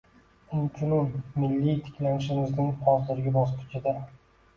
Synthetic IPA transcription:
ɪnkʰʲʊnʊmːɪlːijt̪ʰɪ̥kʲlanɪʃɪmɪznɪŋχʰɒzlɪɾɡʲabɒskʲʰʊ̥t͡ʃʰɪd̪a

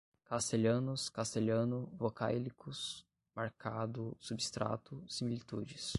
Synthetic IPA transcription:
kast̪eʎɐ̃nʊskast̪eʎɐ̃nʊvoka̰jlikʊs | maɾkad̪ʊsubist̪ɾa̰t̪ʊsimilit̪ud͡ʒɪs

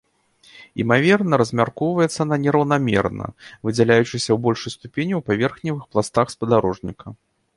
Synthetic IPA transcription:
ḭmavʲɛrnɐɾɐzʲmʲarkɔwvɐjɛt̪sːɐnɐnʲɛɾɐwnamʲɛ̰rnɐ̰vɨd͡zʲɛlʲajut͡ʂɨsʲɐwbɔlʲʂɨjst̪upʲenʲiwpavʲɛrxnʲivɨxplˠast̪axspɐd̪aɾɔʐnʲikʰɐ

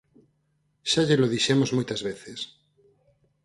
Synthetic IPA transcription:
ʃaʎeloðiʃemozmojt̪ɐzβeθes

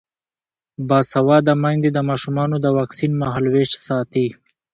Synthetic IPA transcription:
bɑsawɑd̪əmaŋd̪ed̪əmɑʃumɑnod̪əwɑksinmaɦalweʃsɑt̪i

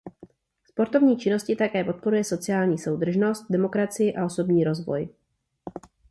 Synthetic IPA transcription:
spo̞ɾt̪o̞vɲiːt͡ʃɪno̞scɪt̪akɛːpo̞t̪̚po̞ɾujɛso̞t͡sɪjaːlɲiːso̞wd̪r̩ʒno̞st̪̚dɛmo̞kɾat͡sɪjɪʔao̞so̞bɲiːɾo̞zvo̞̰j

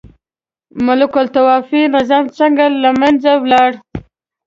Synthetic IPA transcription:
mʊlʊkʊlt̪awɑfinɪzɑmt͡səŋɡalamanzawlɑɽ

